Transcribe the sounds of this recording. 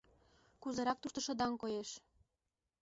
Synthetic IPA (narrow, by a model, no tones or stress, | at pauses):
kuzɤɾɑk̚t̪uʃt̪ə̆ʃɤ̆d̪ɑŋkojeʃ